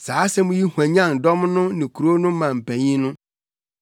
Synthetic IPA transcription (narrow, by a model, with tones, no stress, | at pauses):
saː˨˦sɛ˦mʊ̃˦ji˦hu˨æ̃˨ɲã˦˨n˨dɔ˦mnʊ̃˦nɪ̃˨kʰu˨ɾo˦nʊ̃˦mã˨m̩˨pʰæ̃˨ɲĩ˦nʊ̃˦